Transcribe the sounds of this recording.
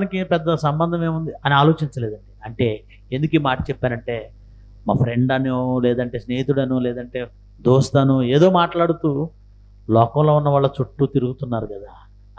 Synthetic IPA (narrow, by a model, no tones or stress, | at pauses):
nikipɛd̪ːɐsɐmbɐnd̪ʱɐmeːmund̪iɐniaːlo̞ːt͡ʃiɲt͡ʃɐleːd̪ɐɳʈiːɐɳʈe̞ː | end̪ukiːmaːʈɐ̥t͡ʃɛpːaːɾɐɳʈeː | ma̰ːpʰɾe̞ɳɖɐnolɛːd̪ɐɳʈe̞ːsneːjit̪uɽɐnulɛːd̪ɐɳʈe̞ː | d̪oːst̪ɐnueːd̪o̞ːmaːʈlaːɽut̪uː | lɔːkɐmlo̞ːunːɐʋaːɭːɐt͡ʃuʈːut̪iɾuɡut̪unːaːɾukɐd̪aː